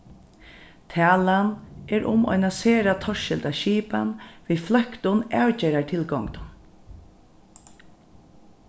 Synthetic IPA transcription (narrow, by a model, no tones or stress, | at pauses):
t̪ʰæːlanʔɛɹʔʊ̰mɔ̰jnaseːɾat̪ʰɔʃɪlt̪aʃiːpa̰nʋiːflœkt̪ʊnæːɹcɛːɾaɹʈʰɪlɡɔŋt̪n